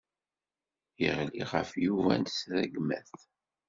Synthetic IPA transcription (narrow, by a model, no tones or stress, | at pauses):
jəʁliʁəfjuvæ̰nsɾəɡmæθ